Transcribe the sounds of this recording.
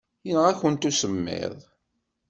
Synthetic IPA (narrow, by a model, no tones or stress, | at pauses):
jənʁæçənt̪usəmːɪ̰ðˤ